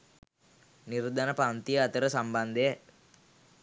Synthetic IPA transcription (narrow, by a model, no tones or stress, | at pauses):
niɾd̪anɐpaːnt̪ijɐɐt̪ɐɾɐsɐmband̪ee